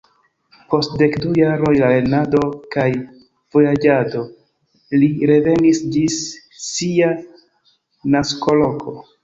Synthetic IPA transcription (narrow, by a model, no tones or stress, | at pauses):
po̞stde̞kdujaɾo̞jlale̞nado̞kaj | v̥o̞jad͡ʒado̞ | liɾe̞ve̞nisd͡ʒisː | ia | nasko̞lo̞kʰo̞